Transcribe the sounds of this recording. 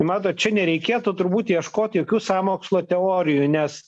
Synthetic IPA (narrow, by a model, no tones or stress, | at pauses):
mɑːt̪oːt̪t͡ʃʲɛnʲɛɾʲɛɪkʲeːt̪uːt̪ʊɾbuːt̪jiɛʃkoːt̪ʲjoːkʲuːsɑːmoːkslˠoːt̪ʲɛoːɾʲɪjunʲɛs